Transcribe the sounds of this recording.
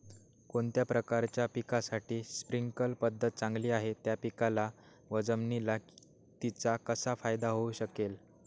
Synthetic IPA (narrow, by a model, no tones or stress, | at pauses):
koɳt̪japɾəkaɾt͡ɕjapikasaʈiːspɾiŋɡkəlpəd̪ʱːət̪̚t͡sãŋɡliːaɦet̪japikala | ʋəd͡zəmnilak | t̪it͡sakəsafajd̪aɦouɕəkel